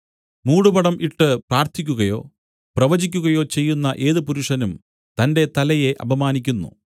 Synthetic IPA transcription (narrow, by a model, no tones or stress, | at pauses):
muːɽupɐɽɐmʔiʈːɨpraːrt̪ʰikʲːuɣɐjo̞ː | prɐʋɐd͡ʑikʲːuɣɐjo̞ːt͡ɕe̞jːunːɐʔe̞ːðɨpuɾuʂɐnum | t̪ɐnde̞t̪ɐlɐje̞ʔɐbʱɐmaːnikʲːunːṵ